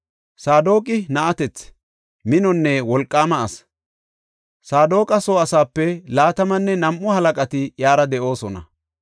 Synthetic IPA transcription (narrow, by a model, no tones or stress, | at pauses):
saːd̪o̞ːkʼɪnɐʔɐt̪ɛt͡s | mɪnɔnːɛwɔlkʼːaːmɐɐs | saːd̪o̞ːkʼɐso̞ːɐsaːpːɛlaːt̪ɐmɐnːɛnɐmʔːʊhɐlɐkʼɐt̪ɪjaːɾɐd̪ɛʔo̞ːsɔnɐ̰